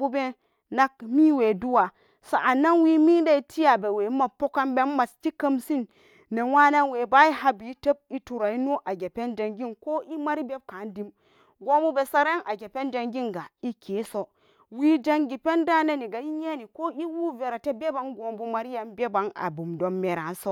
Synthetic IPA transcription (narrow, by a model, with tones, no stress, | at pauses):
u˦be˦ | na˦k̚mi˦we˨du˦wa˨ | sa˨ʔa˨na˦nwi˦mi˦n˦da˦i˨tʰi˦ja˨be˨we˨˦ma˨po˦ka˦nbe˦m˦ma˨sti˦kə˦msi˦nː | e˨wa˦na˦nwe˨ba˦i˦ha˦bi˨˦te˦b̚i˦tu˨ɾa˨i˦nu˦ʔa˨ɡe˨pe˦nd͡ʒa˨ŋɡi˦nko˦ʔi˦ma˦ɾi˦be˦b̚ka˨˦ndi˦m | ɡo˦mu˦be˨sa˨ɾa˦nʔa˨ɡe˨pe˦nd͡ʒa˨ŋɡi˦nɡa˨i˦ke˨˦so˦ | wiː˦d͡ʒa˦ŋɡi˨pe˦nda˦ne˦ni˨ɡa˨i˦ɲe˦ni˨ko˦i˦wu˦ve˨ɾa˨te˦be˦ba˨ŋɡo˨mbu˦ma˨ɾi˦ja˨nbe˦ba˨na̰˨bu˨mdo˨mːe˨ɾa̰˨n˦so˦